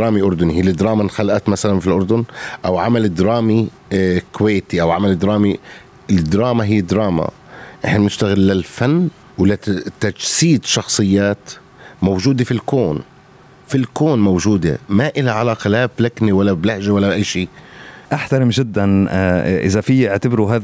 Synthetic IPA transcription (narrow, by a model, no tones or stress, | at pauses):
ɾˤɑːmiʔʊɾˤd̪ʊnihiːlɪd̪ɾˤɑːmanxalʔat̪masalanfilʔʊɾˤd̪ʊnʔawʕamalɪd̪ɾˤɑːmi | kʊweːt̪iʔawʕamalɪd̪ɾˤɑːmi | ɪd̪ɾˤɑːmaɦɪjːɪd̪ɾˤɑːma̰ | ʔɪħnanɪʃt̪aɣɪlːɪlfanː | wlɪt̪ad͡ʒsiːd̪ʃɑxsˤɨjːaːt̪ | mowʒuːd̪efilkoːn | filkoːnmowʒuːd̪ḛmaʔɪlaʕalaːqɑlablakniwalːablahʒawalːaʔajːʃiːʔaħt̪aɾˤɪmʒɪd̪ːanʔɪ̰zafiːɪʕt̪abɾuɦaːð